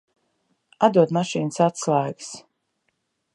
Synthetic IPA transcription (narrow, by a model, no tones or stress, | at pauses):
ad̪uɔd̪maʃiːnɨsat̪slˠajɡs